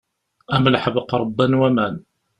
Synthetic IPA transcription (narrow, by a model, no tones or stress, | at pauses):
æməlħəbqɾˤəbːænwæmæn